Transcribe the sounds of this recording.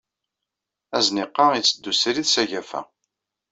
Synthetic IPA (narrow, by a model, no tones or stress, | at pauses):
æznɪqːɑit͡sːəd̪ːusɾiðsæʝæfæ̰